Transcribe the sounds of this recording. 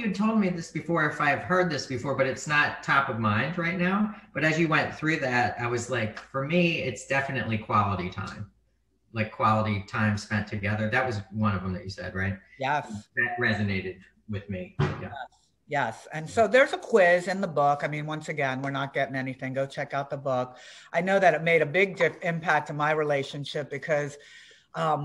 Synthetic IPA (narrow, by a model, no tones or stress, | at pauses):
jɨɨd̚tʰoʊlˠd̚miðɪsb̥ɨfɔɹɨfaɪɨv̥hɜ˞d̪̚ðɪsb̥ɨfɔɹbʌɾɨtsnətʰɑpʌvmãɪ̃ndɹaɪtⁿnaʊb̥ʌɾɨzjɨwɛ̃nθɹʉðæt̚aɪwʌzlaɪkfə˞miɪtsd̥ɛfɨnɨʔˡlikʰw̥ɑlˠəɾitʰã̰ɪ̃m | laɪkʰw̥ɑlˠəɾitʰãɪ̃mspɛ̃ntʰɨɡɛðə˞ðɨt̚wʌzwʌ̃ñʌvə̃mðɨ̰t͡ʃɨsɛ̰d̚ɹaɪt̚jɛsðɨt̚ɹɛzɨneɪɾɨd̚ | wɨðmijɛs | jɛsɨ̃nsoʊðə˞zəkʰw̥ɪzɨ̃nðəbʊkaɪmĩnwʌ̃nsɨɡɛ̃nwəɹnət̚ɡ̥ɛɾɪ̃ŋɛniθɪ̃ŋɡoʊt͡ʃʰɛkaʊt̪̚ðəbʊkʔaɪnoʊðɨɾɨt̚meɪɾɨbɪɡ̚dɪfɪ̃mpʰæk̚tʰɨmaɪɹileɪʃɨ̃nʃɪp̚b̥ɨkʰʌz̥ | ʔʌ̃m